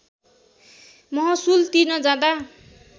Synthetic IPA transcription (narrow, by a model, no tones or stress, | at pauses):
mʌɦʌsult̪inʌd͡zãd̪a